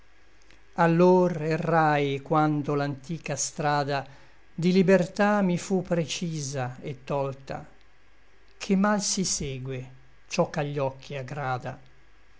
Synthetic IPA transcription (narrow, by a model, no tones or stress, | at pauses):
alːoːrerːajkwand̪olant̪iːkast̪ɾaːd̪a | d̪ilibert̪amifupːɾet͡ʃiːzaet̪ːɔlt̪a̰ | kʰemːalsiseːɡwe | t͡ʃɔkːaʎːɔkʰːiaɡɾaːd̪a